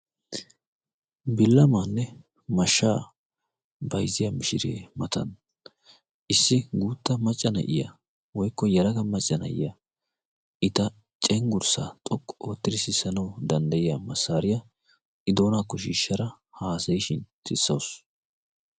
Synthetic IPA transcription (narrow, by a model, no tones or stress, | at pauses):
bɪlːɐmaːnːɛ | mɐʃːaː | bɐjzɪjɐmɪʃɪɾḛːmɐt̪ɐ̰n | ʔɪsːɪɡuːt̪ːɐmɐt͡ʃʼːɐnɐ̰ʔɪ̰jɐ̰ | wɔjkːɔjɐɾɐkɐmɐt͡ʃʼːɐnɐ̰ʔɪ̰jɐ | ʔɪt̪ɐ | t͡ʃʼɛŋɡʊɾsa̰t̪ʼɔkʼːoːt̪ːɪɾɪsɪsːɐnɐwd̪ɐnd̪ɐjɪjamɐsːaːɾɪjɐ | ʔɪd̪o̞ːnaːkːɔʃiːʃːɐɾɐ | haːsɐjɪʃɪnt̪ʰɪsːɐws